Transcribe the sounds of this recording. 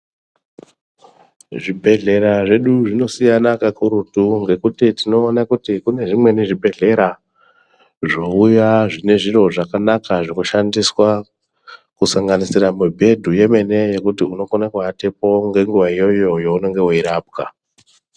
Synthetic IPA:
ʐibʱe̞ɮe̞ɾaʐe̞ɗuʐino̞sijanakakuɾutuŋɡe̞kutitino̞ːnakutikune̞ʐimwe̞niʐibʱe̞ɮe̞ɾa | ʐo̞ujaʐine̞ʐiro̞ʐakanakaʐikoʃandiswa | kusaŋɡanisiramubʱe̞dʱuje̞me̞ne̞je̞kutiuno̞konekwatepo̞ŋɡe̞ŋɡuʋaijo̞jo̞jouno̞ŋɡeoiɾaːbka̰

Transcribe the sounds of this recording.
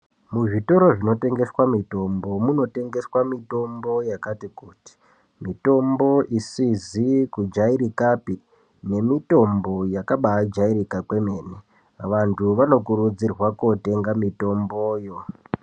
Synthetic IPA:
muʐito̞ɾo̞ʐino̞te̞ŋɡe̞swamito̞mbo̞muno̞te̞ŋɡe̞swamito̞mbo̞jakatikuːti̥ | mito̞mbo̞ʔisizikud͡ʒaiɾikapi | ne̞mito̞mbo̞jakaɓaːd͡ʒaiɾikakwe̞me̞ːne | ʋantʰuʋano̞kuɾud͡zirwakote̞ŋɡamito̞mboːjo̞

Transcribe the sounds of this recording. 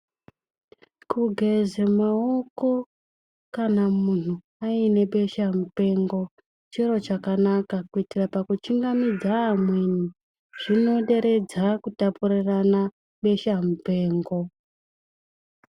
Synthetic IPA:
kuɡʱe̞zemaoko̞ | kanamun̤u | aine̞ɓe̞ʃamupe̞ŋɡo̞ | t͡ʃiɾo̞t͡ʃakanakakuitirapakut͡ʃiŋɡamid͡zaːmwe̞ni | ʐ̥ino̞ɗe̞ɾe̞d͡zakutapuɾirana | ɓe̞ʃamupe̞ːŋɡo̞

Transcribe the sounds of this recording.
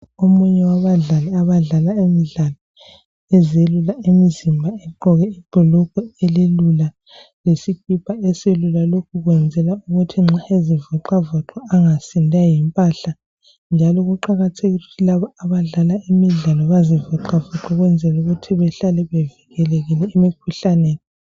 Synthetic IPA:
omuɲɛwaβaɮalɛaβaɮalaemiɮalɔ | ɛzelulaemizimbʱaɛǃɔɣɛiǃʱɔlɔɣɔɛlelula | lesikʰipʰaɛselulalokʰuɣwɛnd͡zʱɛlauɣutʰiŋ͡ǁaezivɔǃavɔǃɔaŋasindʱajɛmpʼaɬa | nd͡ʒʱalɔɣuǃaɣatʰeɣiuutʰilaβaaβaɮalaʔimiɮalɔβazivɔǃavɔǁɔɣwɛnd͡zʱɛluɣutʰiβɛɬalɛβɛviɣɛleɣilɛemikʰuɬaneːni

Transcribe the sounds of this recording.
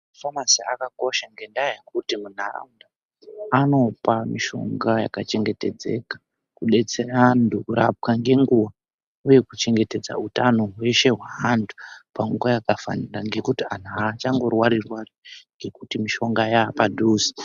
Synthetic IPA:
afamasia̰kako̞ʃaŋɡe̞ndajekutimun̤ara̰unda | ano̞pamiʃo̞̰ŋɡaja̰kat͡ʃe̞ŋɡe̞te̞d͡ze̞̰kḁ | kuɗe̞t͡se̞randukuɾa̰p̚kaŋɡe̞ŋɡuwa | uje̞kut͡ʃe̞ŋɡe̞te̞d͡za̰utano̞ɦwe̞ʃe̞ɦwaɦandʰu̥paŋɡuwajakafa̰niraŋɡe̞kutian̤at͡ʃaŋɡo̞rwaɾirwariŋɡe̞kutimiʃo̞ŋɡajaːpadʱuːsi̥

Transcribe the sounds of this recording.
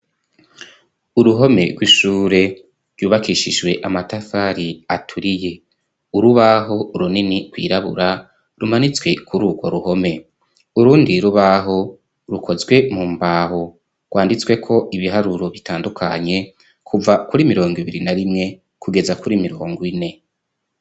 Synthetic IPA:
uɾuɦo̞me̞ɡwiʃuːɾe̞ | ɾ̥juːβakiʃiʒwe̞ʔamatafaɾiatʰuɾije̞ | uɾuβaɦo̞uɾuninikwḭːɾaβṵɾa | ɾumanit͡swe̞kʰuɾuːɡwo̞̰ɾuho̞me̞ | uɾuːndiɾuβaɦo̞ | ɾukʰo̞zɡwe̞mumbaːho | ɡwaːndit͡swe̞kʰo̞ʔiβiɦaɾuɾo̞βitaːndukʰa̰ɲe̞ | kʰuvakuɾimiɾo̞ːŋɡiβiɾinaɾimŋe̞ | kuɡe̞zakuɾimiɾoːŋɡwine̞

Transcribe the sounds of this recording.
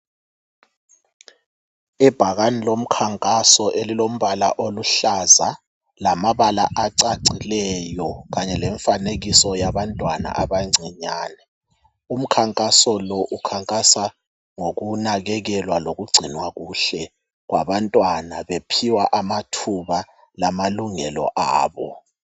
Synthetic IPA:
ɛb̥ʱaɣanilom̩kʰaŋkʼasɔʔelilom̩βala̰ʔoluɬaza | lamaβala̰ʔaǀaǀilɛjɔɣaɲɛlɛɱfaneɣisɔjaβantʼwana̰ʔaβaŋ͡ǀʱiɲaːnɛ | um̩kʰaŋkʼasɔlɔʔukʰaŋkʼasa | ŋoɣunaɣɛɣɛlwaloɣuɡ͡ǀʱinwaɣuɬɛ | ɣwa̰βantʼwanaβepʰiwaʔamatʰuβa | lamaluŋɛlɔ̰ʔaːβɔ̰

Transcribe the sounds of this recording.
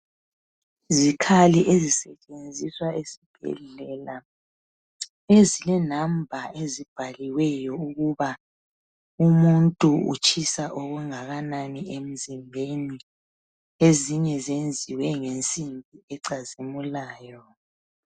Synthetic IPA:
zikʰaliʔezisɛt͡ʃʼend͡zʱiswaesib̥ʱɛ̰ɮɛla | ezilɛnambʱaʔezib̥ʱaliwɛjɔuɣuβa | umuntʼuṵt͡ʃʰʼisaʔɔɣuŋaɣananiem̩zimbʱeni | eziɲɛzend͡zʱiwɛŋent͡sʼimbʱiɛǀazimulaːjɔ

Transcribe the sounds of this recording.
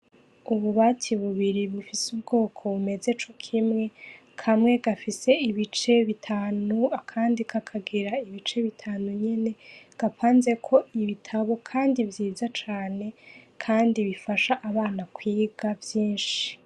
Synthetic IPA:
uβuβatʰiβuβiɾiβufisubɡo̞ːkʰo̞βume̞ze̞t͡ʃo̞kʰimŋe̞ | kʰamŋe̞ɡafise̞iβit͡ʃe̞βitʰaːnuakʰaːndikʰakʰaɡiɾaiβit͡ʃe̞βitʰaːnuɲe̞ne̞ɡ̥apaːnze̞kʰo̞iβitʰaβo̞kʰaːndivjiːzat͡ʃaːne̞kʰaːndiβifaʃaʔaβaːnakwiːɡavjiːnʃi̥

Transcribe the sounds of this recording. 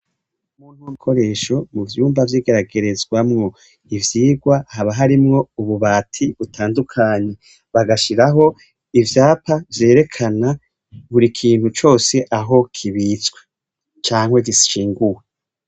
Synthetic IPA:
muːn̥huŋkʰo̞ɾe̞ːʃo̞muvjuːmbavjiːɡe̞ɾaɡe̞ɾe̞zɡwamŋo̞ | ivjiːɡwahaβaɦaɾimŋo̞uβuβaːtʰiβutʰaːndukʰaɲe̞ | βaɡaʃiɾaɦo̞ | ivjaːpavje̞ːɾe̞kʰana | βuɾikʰiːn̥hut͡ʃo̞ːse̞ʔaɦo̞kʰiβit͡sɡwe̥ | t͡ʃaːŋhwe̞ɡisʃiːŋɡuwe

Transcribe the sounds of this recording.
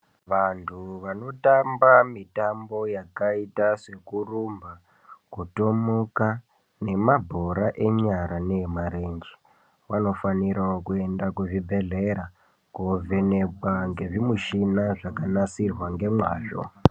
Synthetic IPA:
ʋantʰuʋano̞tambamitambo̞jakaitase̞kurumba | kuto̞moka | ne̞mabʱo̞ɾaʔe̞ɲaɾanemaɾend͡ʒi | wano̞faniɾaokue̞ndakuʐibʱe̞ɮeɾa | kovʱenekwaŋɡe̞ʐimuʃinaʐakanasirwaŋɡe̞mwa̰ːʐo̞̰

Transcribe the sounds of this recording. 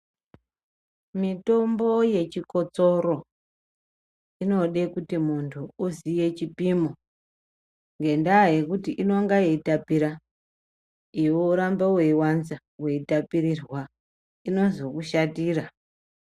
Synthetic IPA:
mito̞mbo̞je̞t͡ʃiko̞t͡so̞ɾo̞ | ino̞ɗekutimuntʰuuzije̞t͡ʃipimo | ŋɡe̞ndaːje̞kutiʔino̞ŋɡajeitapiɾa | iwouɾambeweiwanza | we̞itapiɾirwa | ino̞zo̞kuʃatiːra

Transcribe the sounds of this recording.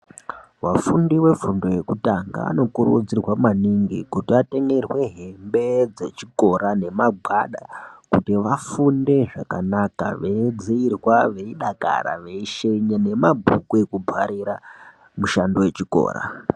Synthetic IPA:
ʋafundiwe̞fundo̞je̞kutaŋɡa̰a̰no̞kuɾud͡zirwamaniŋɡḭkutiate̞ŋɡe̞rwe̞ɦe̞mbe̞d͡ze̞t͡ʃiko̞ɾane̞maɡʱaɗakutiʋafunde̞ʐakanaka̰ʋe̞d͡ziirwaʋe̞iɗaka̰ɾa̰ʋe̞iʃeɲane̞mabʱukue̞kubʱaɾiɾa | muʃando̞je̞t͡ʃiko̞̰ːɾa̰

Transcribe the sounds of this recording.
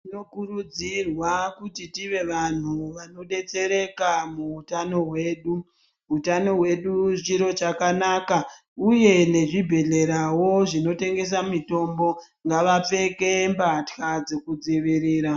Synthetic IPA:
tino̞kurud͡zirwakutitiʋe̞ʋan̤uʋano̞ɗe̞t͡se̞ɾe̞kamuutano̞ɦwe̞ːɗu | ɦutano̞ɦwe̞ɗut͡ʃiɾo̞t͡ʃakanaka | uje̞ne̞ʐibʱe̞ɮe̞ɾawo̞ʐino̞te̞ŋɡe̞s̬amito̞mbo̞ | ŋɡaʋap͡fe̞ke̞mbatxad͡zekud͡ziʋiɾiːɾa

